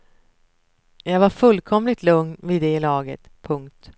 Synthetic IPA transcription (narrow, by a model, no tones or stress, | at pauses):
jɑːɡvaɾfɵlːkʰɔmlɪt̪ʰlɵŋnviːd̪ɛlɑːɡə̰t̪pʰɵŋk̚t̪